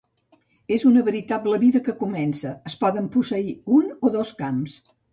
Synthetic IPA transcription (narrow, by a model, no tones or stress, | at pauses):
ezunəβəɾit̪abləβiðəkəkumɛnsəːspɔðəmpusəiunoðoskams